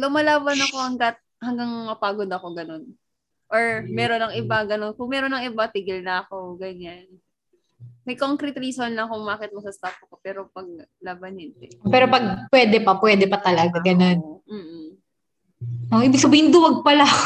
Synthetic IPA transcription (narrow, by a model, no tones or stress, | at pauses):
lʊmɐlaːbɐnɐko̞hɐŋɡɐt̪̚ | hɐŋɡɐŋmɐpaːɡod̪ɐko̞ɡɐno̞n | ʔoɹmɛːɾonɐŋʔɪbɐɡɐno̞nkʊŋmɛːɾonɐŋɪbɐt̪iɡɪlnɐɐko̞ɡɐɲan | mɐjkoŋkɾɛt̪ɾiːsonlɐkʊŋmaːkɪt̪̚mɐsɐst̪aːpɐkopɛːɾo̞pɐɡ̚ | laːbɐnhɛnt̪ɛpɛːɾopɐɡ̚pwɛd̪ɛpɐpwɛd̪ɛpɐt̪ɐlɐɡaɡɐno̞nm̩ːʔ̩ | ʔoʔiːbɪɡ̥̚sɐbiːhɪnd̪ʊwɐɡ̚pɐla